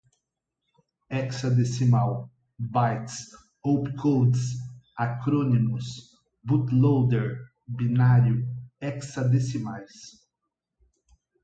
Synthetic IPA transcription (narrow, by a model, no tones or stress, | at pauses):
ɛksad̪esimaw | bajt̪s | owpkʰowd̪sakɾõnimʊs | but̪lowd̪eɾ | binaɾjʊɛksad̪esimajs